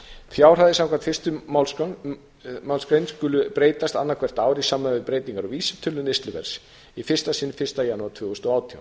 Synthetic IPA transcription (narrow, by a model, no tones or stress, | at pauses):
fjaːwr̥aðɪsãmkvant̪fɪ̥st̪ʏ | mawlskɾejnskʏlʏpɾeːjt̪ast̪anːaɾkʰvɛr̥t̪aːwɾisaːmanvɪðpɾeːjt̪iŋkaɾawviːsɛmt̪ʰʏlːʏnɪst̪lʏvɛ̰ɾ̥s | ifɪ̥st̪asɪnfɪ̥st̪ajanːuaɾt̪ʰvʏːɣʏst̪ɔaːwt̪ʰija̰